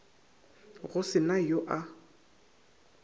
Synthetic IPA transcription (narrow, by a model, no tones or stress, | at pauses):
ɣʊsɪnajoʔa